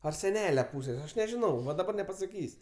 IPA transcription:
ɐr sʲɛˈnʲæːlʲɛ ˈpuːsʲeːsʲ ɐʃ nʲɛʒʲɪˈnɐʊ ʋɐ dɐˈbɐr nʲɛpɐsɐˈkʲiːsʲ

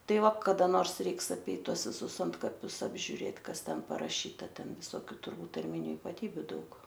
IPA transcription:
ˈtɐɪ ˈʋɐ kɐdɐ ˈnoːrs ˈrʲɛɪks ɐˈpʲɛɪt ˈtuɔs ʋʲɪˈsʊs ˈɐntkɐpʲʊs ɐbʲʒʲʊˈrʲeːt ˈkɐs ˈtʲɛn pɐrɐˈʃʲiːtɐ ˈtʲɛn ʋʲɪsoːˈkʲuː tʊrˈbuːt tɐrʲˈmʲɪnʲʊ ɪpɐˈtʲiːbʲʊ ˈdɐʊk

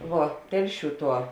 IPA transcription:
ˈʋuɔ ˈtʲɛlʲˌʃʲuː ˈtuɔ

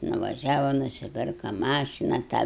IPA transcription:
nʊʋɐˈʒʲæːʋɐ nʊsʲɪˈpʲɪrkɐ ˈmɑːʃʲɪnɐ tɑː

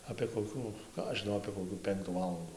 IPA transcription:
ɐpʲeː koːˈkʲuː ˈkɑː ɐʃ ʒʲɪˈnɐʊ ɐpʲeː koːˈkʲuː ˈpʲɛŋktuː ˈʋɑːlˠɐnduː

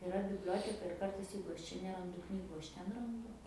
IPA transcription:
ɪˈrɐ bʲɪbʲˈlʲoːtʲɛkɐ ɪr ˈkɐrtɐɪs ˈjɛɪɡʊ ˈɐʃ ˈt͡ʃʲɛ nʲɛˈrɐndʊ ˈknʲiːɡʊ ˈɐʃ ˈtʲɛn rɐnˈdʊ

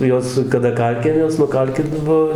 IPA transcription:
nʊ ˈjoːs kɐˈdɐ ˈkɐlʲkʲɪnʲeːs nʊˈkɐlʲkʲɪt ˈbuɔ

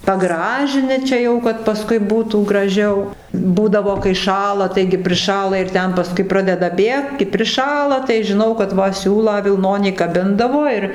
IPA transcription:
pɐˈɡrɑːʒʲɪnʲɪ ˈt͡ʃʲɛ jɛʊ kɐt pɐˈskʊɪ ˈbuːtuː ɡrɐˈʒʲɛʊ ˈbuːdɐʋoː kɐɪ ˈʃɑːlˠɐ ˈtɐɪɡʲɪ pʲrʲɪˈʃɑːlˠɐ ɪr ˈtʲɛn pɐˈskʊɪ ˈprɑːdʲɛdɐ ˈbʲeːkt kɐɪ pʲrʲɪˈʃɑːlˠɐ tɐɪ ʒʲɪˈnɐʊ kɐt ˈʋɐ ˈsʲuːlˠɑː ʋʲɪlˠˈnoːnʲiː kɐˈbʲɪndɐʋoː ɪr

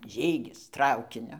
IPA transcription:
ˈʒʲiːɡʲɪs ˈtrɐʊkʲɪnʲʊ

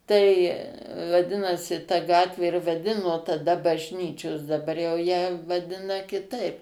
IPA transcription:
tɐɪ ʋɐˈdʲɪnoːsʲɪ tɐ ˈɡɑːtʲʋʲeː ɪr ʋɐˈdʲɪnoː tɐˈdɐ bɐʒʲˈnʲiːt͡ʃʲoːs dɐˈbɐr jɛʊ jæː ʋɐˈdʲɪnɐ kʲɪˈtɐɪp

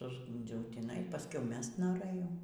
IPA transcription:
sʊzˈɡuːnʲd͡zʲɛʊ tʲiːˈnɐɪ pɐˈskʊɪ ˈmʲɛst noːˈrɘjɛʊ

